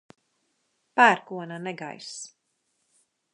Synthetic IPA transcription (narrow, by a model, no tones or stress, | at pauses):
pæːɾkuɔnanɛɡa̰js